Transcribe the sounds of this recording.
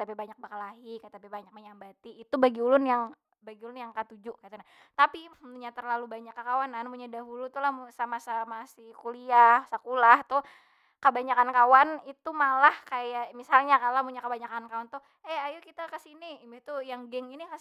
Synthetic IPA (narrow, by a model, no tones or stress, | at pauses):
t̪apibaɲak̚bakalaɦikat̪apibaɲak̚məɲambat̪iːt̪ubaɡiulʊnjaŋ | baɡiulʊnjaŋkət̪ud͡ʒʊʔkat̪una | t̪apiət̪uɲat̪ərlalubaɲakːəkawananpuɲadaɦulut̪ulahmusamasamasihkuliahsakulaht̪ʊ | kəbaɲakankawanit̪umalahkajaʔmisalɲakalamuɲakəbaɲakankawant̪ʊh | ɛajukit̪akəsiniimbeht̪ujaŋɡɛŋinikas